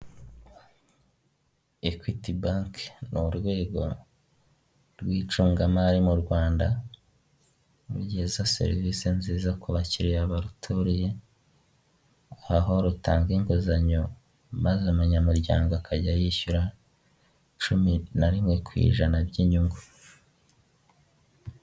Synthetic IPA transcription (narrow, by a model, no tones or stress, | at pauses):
ekwitibaŋknuɾɡwe̞ːɡo̞̰ | ɾɡwiːt͡ʃuːŋɡamaɾimuɾɡwaːnda | uɾɟiːzase̞̰ɾivisenziːzakuβaciɾejaβaɾutʰoɾije | ahaɦo̞ɾutaːŋɡiŋkozaɲo | mazamuɲamuɾɟa̰ːŋɡoakaɟajiçuɾa | t͡ʃuminaɾimŋe̞kwḭːʒanabɟiɲuŋɡu